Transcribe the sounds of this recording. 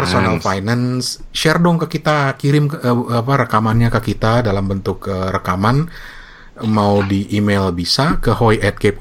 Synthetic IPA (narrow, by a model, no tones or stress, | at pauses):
pərsonalfajnansʃɛrdɔŋkəkit̪akiɾɪmkːpaɾəkamanɲakəkit̪adalambənt̪ʊkərəkaman | maudiʔːmelbisakəɦojʔɛt̪̚kep̚